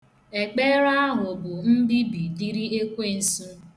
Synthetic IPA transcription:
e˨k͡pe˦ɾa˦a˦ɦʊ˨bʊ˨m̩˦bi˦bi˨di˦ɾi˦e˦kʷe˦˨n̩˨su˦

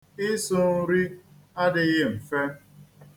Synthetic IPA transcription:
ɪ˦sʊ˦n̩˦ɾi˦ | a˦dɪ˨˦ɣɪ˦m̩˨fe˦

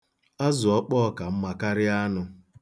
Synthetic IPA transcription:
a˦zʊ˨ɔ˦k͡pɔː˦ka˨m̩˦ma˦ka˦ɾɪ˦a˦nʊ˨

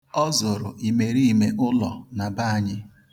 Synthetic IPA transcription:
ɔ˦zʊ˨ɾʊ˨ʔi˨me˨ɾi˦i˦˨me˦ʔʊ˦lɔ̰˨na˨ba˦a˨ɲɪ˦

